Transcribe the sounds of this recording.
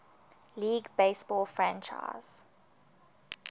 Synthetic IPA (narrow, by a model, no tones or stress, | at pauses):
liːɡbeɪsb̥ɔlfɹæ̃nt͡ʃa̰ɪz̥